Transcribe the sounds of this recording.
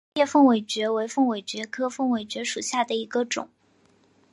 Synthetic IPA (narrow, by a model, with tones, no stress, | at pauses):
ɛ˥˧fɤ˥˩ŋwe˨˩ɪt͡ɕɥɛ˧˥we˧˥ɪfɤ˥˩ŋwe˨˩ɪt͡ɕɥɛ˧˥kʰɤ˥fɤ˥˩ŋwe˨˩ɪt͡ɕɥɛ˧˥ʂu˨˩ɕja˥˩d̪ə˩i˧˥ɡə˧ʈ͡ʂʊ̰˨˩˦ŋ